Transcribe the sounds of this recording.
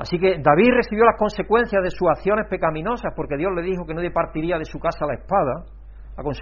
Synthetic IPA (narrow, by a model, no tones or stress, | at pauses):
a̰sike̞d̪aβire̞θiβjo̞lahko̞nse̞kwẽ̞n̟θjaðe̞suaθjo̞ne̞hpe̞kamĩno̞sahpo̞ɾke̞ðjo̞ɦle̞ðixo̞kenoðepaɾt̪iɾiað̞e̞sukasalae̞hpað̞a | lako̞ns